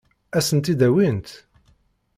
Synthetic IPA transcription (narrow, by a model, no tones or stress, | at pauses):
æsənt̪id̪æwint̪